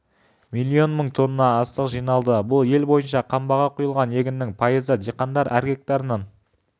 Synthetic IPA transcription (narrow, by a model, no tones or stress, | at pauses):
mijlʲːio̞nməɴt̪ʰo̞nːənɑːst̪əqʒijnɑlˠd̪əbʊlˠje̞lbo̞jənʃɑqʰɑmbɑʁɑqʰujəlˠʁɑnje̞ɡʲɪnːɪŋpʰɑjəzəd͡ʒiqɑnd̪ɑɾæɾɡʲe̞k̚t̪ɑɾənɑn